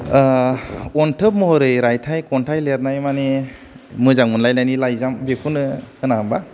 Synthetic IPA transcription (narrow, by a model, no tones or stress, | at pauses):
ɔntʰɯp̚mɔɦɔɾɯjɾajtʰajkɔntʰajleɾnajmane | mɯzaŋunlajlajnilajzambekʰunɯhɯnamba